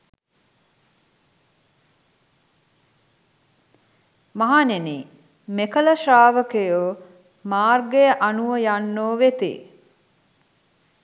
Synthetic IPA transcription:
maɦaneniː | mekələʃaːʋəkejoː | maːrɡejəʔanuʋəjanːoːʋet̪ḭː

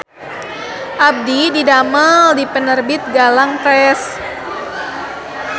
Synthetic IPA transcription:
ʔab̚dididaməldipənərbɪt̪̚ɡalaŋpɾɛs

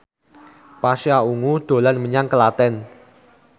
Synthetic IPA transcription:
pasiauŋud̪̥o̤lanməɲaŋkəlat̪ɛn

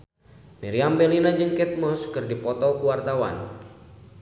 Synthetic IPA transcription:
miɾiambɛlinad͡ʒɨŋkɛt̪̚mɔskɨrdipɔt̪ɔkuwart̪awa̰n

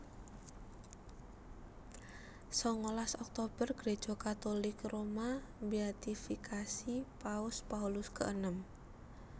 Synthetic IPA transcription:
sɔŋolasɔk̚t̪ob̥ərɡ̥ɾe̥ʒ̥o̤kat̪olɪkromambiat̪ifikʰasipaʊspaulʊskə̰ʔənəm

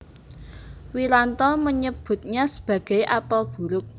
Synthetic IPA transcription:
wilant̪ɔməɲəb̥ʊ̤t̪̚ɲasə̥b̥ä̤ɡ̥ɛ̤jʔapɔb̥ṳɾʊk̚

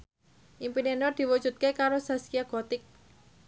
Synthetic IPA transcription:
ʔimpinenɔrd̪̥i̤wu̥ʒ̥ṳt̪̚kekaɾosaskiaɡ̥ɔt̪ɪk̚

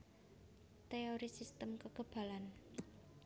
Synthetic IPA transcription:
t̪eoɾisist̪əmkəɡ̥ə̤b̥ä̤lan

